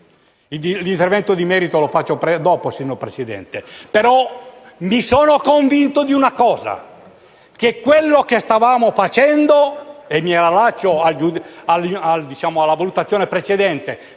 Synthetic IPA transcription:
ild̪ilint̪ervɛnt̪od̪imɛːɾit̪olofat͡ʃːopɛd̪ɔːposinːopɾet͡ʃɛd̪ɛ̰nt̪epeɾɔ | misɔːnokoɱvint̪od̪iunakɔːza̰ | kekːwelːokest̪avaːmofat͡ʃɛnd̪oemːiɛɾalat͡ʃːoald͡ʒud̪alald̪it͡ʃaːmoalːavalut̪at̪sːjoːnepɾet͡ʃed̪ɛnt̪e

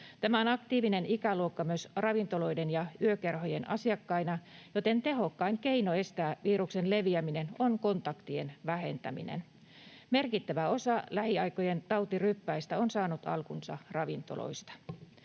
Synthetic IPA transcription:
t̪æmæonɑkt̪iːʋine̞nikæluokːɑmyøsrɑʋint̪o̞lo̞idenjɑyøkerɦojenɑ̰siɑkːɑinɑjot̪e̞nt̪e̞ɦo̞kːɑiŋkeinoe̞st̪æːʋiːɾuksenle̞ʋiæmine̞nonko̞nt̪ɑkt̪ie̞̰nʋæhe̞nt̪æ̰mḭnḛn | me̞rkit̪ːæʋæo̞sɑlæhiɑikoje̞nt̪ɑwt̪irypːæist̪æonsɑːnut̪ɑ̰lkunsɑ̰rɑʋint̪o̰lo̰ist̪ɑ̥

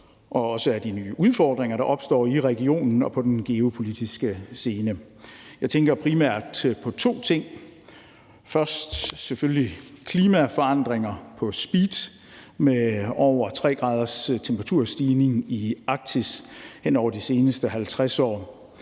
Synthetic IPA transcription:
ʔɒ̽ɒ̽səæd̥iny̰ːʔuð̞ˠfɒːd̥ʁeŋɐɾɑ̈ʔɒ̽b̥sd̥ɒ̰ːiʁɛɡio̝̰ːnn̩ɒ̽pʰɒ̽d̥en̩ɡ̥e̝o̝pʰo̝lid̥isɡ̥əse̝ːnə | jɑ̈ɪt͡sʰeŋɡ̥ɐpʰʁimæɐ̰d̥pʰɒ̽t͡sʰo̝̰ːt͡sʰe̝ŋ̰ | fɶɐsd̥seføllikʰliːmæfɒ̽ɑ̈n̰d̥ʁeŋɐpʰɒ̽sb̥iːd̥ | meɒʊ̰ɐt͡sʰʁɛ̰ːɡ̥ʁɑ̈ːð̞ˠɐst͡sʰempʰəʁɑt͡sʰuɐ̰sd̥iːne̝ŋiɑ̈ɡ̥̚t͡sʰishenɒʊ̰ɐd̥ise̝ːnəsd̥əɦælt͡sʰʁasɒ̰ː

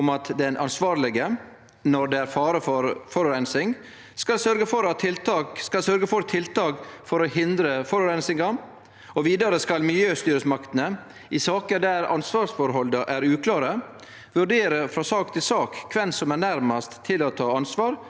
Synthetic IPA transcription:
ʊmɑt̪d̪ɛnʔɑnsʋɑːɾlɪɡə | nɔɾd̪ɛæɾfɑːɾəfɔɾfɔɾɔɾɛnsɪŋ | skɑlsœɾɡəfɔɾɑt̪ʰɪlt̪ɑkskɑlsœɾɡəfɔɾt̪ʰɪlt̪ɑːkfɔɾɔhɪnd̪ɾəfɔɾɔɾɛnsɪŋɑ | ɔʋiːd̪ɑɾəskɑlmɪljøːst̪yːɾəsmɑkt̪ənə | ɪsɑːkəd̪æɾɑ̰nsʋɑːɾsfɔɾɦɔld̪əʔæɾʉːkʰlɑːɾə | ʋʉɾɖeːɾəfɾɑsɑːk̚t̪ʰɪlsɑːkkʰːʋɛnsɔmænæɾmɑst̪ʰːɪlɔt̪ʰɑːɑnsʋɑːɾ

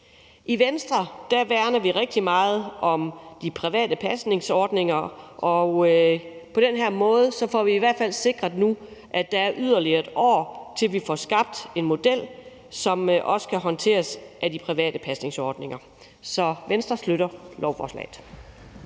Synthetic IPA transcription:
ʔiʋensd̥ʁɐd̥æʋæɐnɐʋiʁeɡ̥̚d̥imɑ̈ːð̞̩ˠɒ̽md̥ipʰʁiʋɛ̰ːd̥əpʰæsne̝ŋsɒːd̥ne̝ŋɐʔɒ̽ | pʰɒ̽d̥enɦeɐmɔ̽ːð̞̩ˠsɒ̽fɒʋiːʋæɐ̰d̥fæl̰se̝ɡ̥ʁɐðˠnuʔæd̥ɑ̈æɐʔyð̞ˠɐliɐd̥ɒ̰ːt͡sʰe̝lʋifɒsɡ̥ɑ̈b̥̚d̥e̝nmo̝d̥el̰ | sɒ̽mʔɒ̽sə̥kʰæɦɒ̽nt͡sʰe̝̰ːɐsʔæd̥ipʰʁiʋɛ̰ːd̥əpʰæsne̝ŋsɒːd̥ne̝ŋɐ | sɒ̽ʋensd̥ʁɐsløɾɐlɒʊfɒ̰ːslɛ̰ːð̩ˠ

